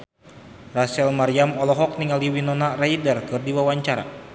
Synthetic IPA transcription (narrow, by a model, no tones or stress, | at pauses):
rasɛlmaɾiamɔlɔɦɔk̚niŋaliwinɔnaraidərkɨrdiwawaɲt͡ʃaɾa̰